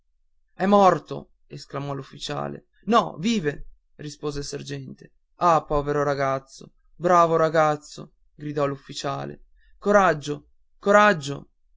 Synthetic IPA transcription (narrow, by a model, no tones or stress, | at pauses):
ɛmːɔrt̪o̰ | esklamɔlufːit͡ʃa̰ːlḛ | nɔviːve | rispoːzelsard͡ʒɛnt̪e | apːɔːveɾoɾaɡat̪sːo̰ | bɾaːvoɾaɡat̪sːo̰ | ɡɾid̪ɔlufːit͡ʃaːlḛ | koɾad͡ʒːo | koɾad͡ʒːo̰